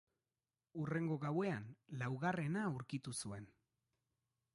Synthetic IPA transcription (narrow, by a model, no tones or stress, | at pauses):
ure̞ŋɡo̞ɣawe̞anlawɣare̞nauɾkit̪usue̞n